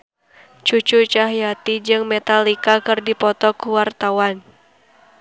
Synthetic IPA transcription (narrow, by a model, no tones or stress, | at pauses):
t͡ʃut͡ʃut͡ʃaɦijat̪id͡ʒɨŋmɛt̪alikakɨrdipɔt̪ɔkuwart̪awan